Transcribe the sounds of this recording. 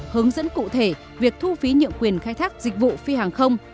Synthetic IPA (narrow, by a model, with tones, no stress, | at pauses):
hɨ˨˦əŋzə̰˧˥nkṵ˧˨t̪ʰe˧˩ | vi˨˩ək̚t̪ʰu˧fi˨˦ɲɨ̰˧˨əmkwi˨˩ənxaː˧jt̪ʰaː˦˥k̚zï˨˩k̟̚vṵ˧˨fi˧haː˨˩ŋxə˧wŋ͡m